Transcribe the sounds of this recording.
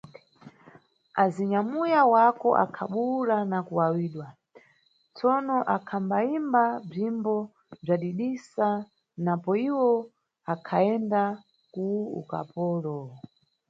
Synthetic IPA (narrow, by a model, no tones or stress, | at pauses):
aziɲamujawakɔ̰ʔa̰kʰa̰ɓulanakuwawiːɗwa | t͡sɔnɔʔakʰambaimbab͡ʐimbɔ | b͡ʐaɗiɗisa | napɔiwɔ | akʰaɛnda | kuṵka̰pɔːlɔ